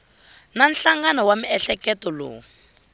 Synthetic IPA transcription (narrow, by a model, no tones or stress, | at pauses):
nan̩ɬaŋɡanɔwamiɛɬɛkɛtɔlo̰ːu